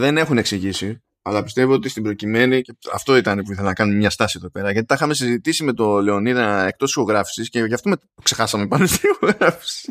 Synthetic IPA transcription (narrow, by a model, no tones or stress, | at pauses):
ðe̞ne̞xune̞ksiʝisi | ɐlɐpi̥st̪e̞voot̪ist̪ibɾo̞cime̞niceɐ̰ft̪o̞it̪ɐnepuiθelenɐkɐnumemɲɐst̪ɐsieðo̞pe̞ɾɐʝɐt̪it̪ɐxɐmesizit̪isime̞t̪o̞le̞o̞niðɐe̞k̚t̪o̞ssiko̞ɣɾɐfi̥sisceʝɐft̪ome | kse̞xɐsɐme̞pɐnost̪iioɣɾɐfi̥si̥